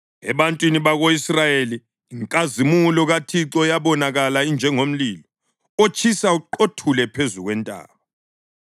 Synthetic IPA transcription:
ɛβantʼwiniβaɣoisrajeliː | ŋkʼazimulɔɣatʰiǁɔjaβɔnaɣalaind͡ʒʱɛŋom̩liːlɔ | ot͡ʃʼʰisauǃotʰulɛpʰezuɣwɛntʼa̰ːɣɔ

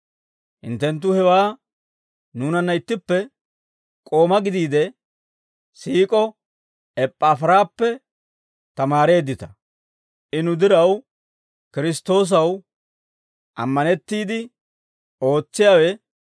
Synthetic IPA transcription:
hɪ̰nt̪ːɛnt̪̬ːʊhɛwaː | nuːnɐnːɐɪt̪ːɪpːɛ | kʼo̞ːmɐɡɪd̪iːd̪ɛ | siːkʼɔ | ɛpʼːaːfɐɾaːpːɛ | t̪ɐmaːɾe̞ːd̪ːɪt̪ɐ̥ | ʔɪnʊd̪ɪɾɐw | kɪɾɪst̪o̞ːs̬ɐw | ʔɐ̰mːɐnɛt̪ːiːd̪ɪ | o̞ːt͡sːɪjaːwɛ

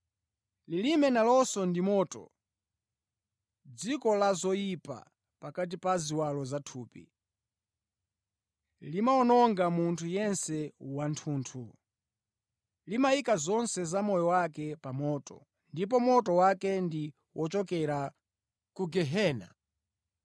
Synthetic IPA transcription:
lilimɛnalɔsɔndimɔːtɔ̰ | d͡zikɔlazɔjipa̰ | pakat̬ipaziwalɔzatʰuːpḭ | limaɔnɔŋɡamuntʰujɛnsɛwantʰuːntʰu | limajikazɔnsɛzamɔjɔwakɛpamɔːtɔ̰ | ndip̬ɔmɔtɔwakɛndi | wʔɔt͡ʃɔkɛɾa | kuɡɛɦɛːna̰

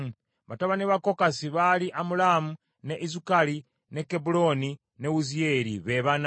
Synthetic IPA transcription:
βataβaneβakokasiβaliʔamulamu | ne̞ʔizukali | ne̞kebulo̞ni | neuzieɾiβe̞βan

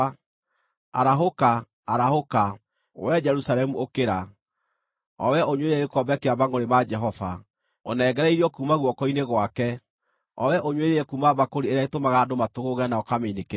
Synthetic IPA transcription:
a̰ɾaɦoka | aɾahoka | wɛd͡ʒɛɾusalɛmuʔokeɾa | ɔ̰wɛoɲweɾeɣekɔbɛkeabaŋɡoɾemad͡ʒɛɦɔva | o̰nɛːɡɛɾɛiɾɔkuːmaɣwɔkɔineɣwakɛ | ɔ̰wɛʔoɲweɾeɛkuːmaβakoɾieɾaetomaɣadomatoɣoɣɛnaɔkamenek

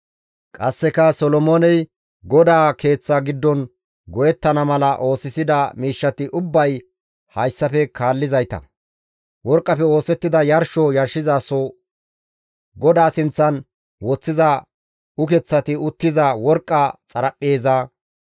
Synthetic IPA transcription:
kʼɐsːɛkɐsɔlɔmoːnɛj | ɡɔd̪aːke̞ːt͡sːaɡɪd̪ːɔn | ɡɔjɛt̪ːɐnɐmɐlɐʔo̞ːsɪsɪd̪ɐmiːʃːɐt̪ɪʔʊbːɐj | hɐjsːɐpɛkʰaːlːɪzɐjt̪ɐ̰ | wɔɾkʼːɐpɛo̞ːsɛt̪ːɪd̪ɐjɐɾʃɔjɐɾʃːɪzaːsɔ | ɡɔd̪aːsɪnt͡sːɐn | wɔt͡sːɪzɐ | ʊkɛt͡sːɐt̪ɪʊt̪ːɪzɐwɔɾkʼːɐt͡sʼɐɾɐpʼːe̞ːzaː

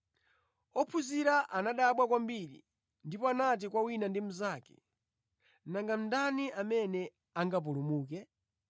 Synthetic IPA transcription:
ɔpʰuziɾaʔanaɗaɓwakwambiɾḭ | ndipɔanat̬ikwawinandim̩zaːkɛ̥̰ | naŋɡam̩ndaniʔamɛnɛ | aŋɡap̬ulumuːkɛ

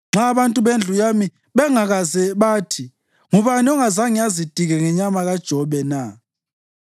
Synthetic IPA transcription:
ŋ͡ǁʱaːβantʼuβend͡ɮʱujami | βɛŋaɣazɛβaːtʰi | ŋuβaniɔŋazaŋijazid̥ʱiɣɛŋɛɲamaɣad̥ʒ̥ʱɔβɛna

